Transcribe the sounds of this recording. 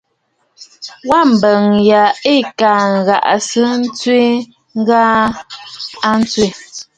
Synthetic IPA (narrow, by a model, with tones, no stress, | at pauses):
wa˦˨m̩˨bə˨ŋja˨e˦˨ka˨ŋ˨ɣa̰˨ʔsə˦n̩˦t͡swe˦ | ŋ˦ɡaː˦ | a˦n̩˦t͡swe˦˨